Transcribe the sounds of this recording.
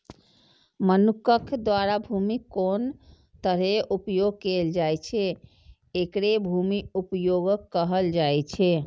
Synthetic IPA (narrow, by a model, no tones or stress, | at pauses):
mənukəkʰd̪waɾabʱumikon | t̪əɾɦeʔupjoɡ̚keld͡ʒajt͡ʃʰɛ | ekɾebʱumiupjoɡəkːəɦəld͡ʒajt͡ʃʰɛ